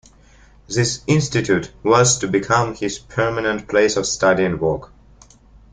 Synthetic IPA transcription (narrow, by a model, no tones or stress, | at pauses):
ðɪsɪ̃nstɨtʰʉtwʌz̥tʰɨbɨkʰʌ̃mhɪz̥pʰɜ˞mənə̃npʰl̥eɪsʌv̥stʌɾiɨ̃nwɔˑk